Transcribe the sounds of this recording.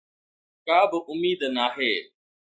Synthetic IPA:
kaːbɪʔʊmiːd̪naːɦeː

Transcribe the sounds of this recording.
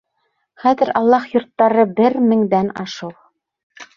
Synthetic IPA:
χæðɘ̆ɾɑlˠːɑχjŏɾt̪ːɑɾɤbɘɾmɘ̆ŋd̪ænɑ̰ʃɤw

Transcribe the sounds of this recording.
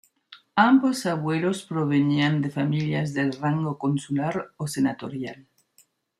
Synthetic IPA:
ambosaβwelospɾoβeniand̪efamiljazðelraŋɡokonsulaɾosenat̪oɾjal

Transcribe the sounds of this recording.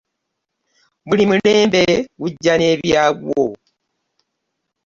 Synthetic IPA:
mulimuleːmbewuɟːaneβjaβwo̰

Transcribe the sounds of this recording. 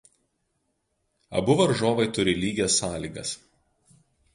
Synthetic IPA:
ɐ̰bʊʋɐɾʒoːʋɐɪt̪ʊɾʲɪlʲiːɡʲesːɑːlʲiːɡɐ̰s

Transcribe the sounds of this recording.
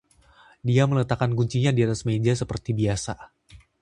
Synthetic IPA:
diamələt̪akanɡuɲt͡ʃiɲadiat̪asmed͡ʒasəpərt̪ibiasa

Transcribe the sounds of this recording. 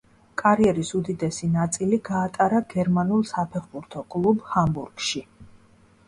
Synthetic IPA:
kʼaɾiɛɾisud̪id̪ɛsinat̪sʼiliɡaːt̪ʼaɾaɡɛɾmanulˠsapʰɛχbuɾt̪ʰɔkʼlˠubhambuɾɡ̥ʃi

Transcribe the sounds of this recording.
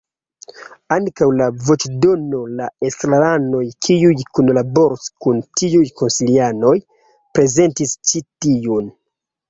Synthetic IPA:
aŋkawlavo̞t͡ʃdo̞no̞laesɾalano̞jkʰiujkunlabo̞ɾskuntiujko̞nsiliano̞j | pɾe̞ze̞ntist͡ʃitiun

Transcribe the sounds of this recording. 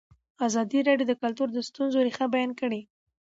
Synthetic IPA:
azɑd̪iɾɑɖjod̪əkalt̪uɾd̪əst̪unzoɾixabajɑnkəɽe

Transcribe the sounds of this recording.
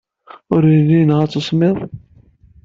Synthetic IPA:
ʊɾilːinʁæt͡sːəsˤmɪðˤ

